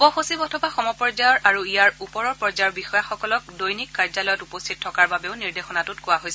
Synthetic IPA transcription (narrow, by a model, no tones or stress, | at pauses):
pɔxosibɔtʰɔbaxɔmɔpɔɹzajɔɹʔaɹuijaɹupɔɹɔɹpɔɹzajɔɹbixɔjaxɔkɔlɔk̚dojnikːaɹzalɔjɔtupɔstʰit̚tʰːɔkaɹbabeʊniɹdexɔnatutkʊwaɦojsɛ